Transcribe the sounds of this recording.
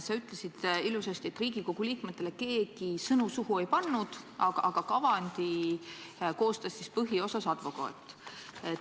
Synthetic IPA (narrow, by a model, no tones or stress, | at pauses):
sɑyt̪ˑle̞sid̪̥ilusest̪ie̞t̪ːˑriːɡ̥iko̞ɡ̥uliːkmet̪ːˑe̞le̞ke̞ːɡ̥isɤnusuɦue̞jpɑnːud̪̥ | ɑɡ̥ɑɑɡ̥ɑkɑvɑnʲd̪̥i | ko̞ːst̪ɑsːispɤɦio̞sɑsɑd̪̥vo̞kɑ̰ːḛt̪ːˑe